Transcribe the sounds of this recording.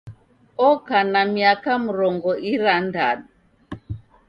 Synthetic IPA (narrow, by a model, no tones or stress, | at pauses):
ɔkanamiakamuɾɔŋɡɔʔiɾanda̰ɗu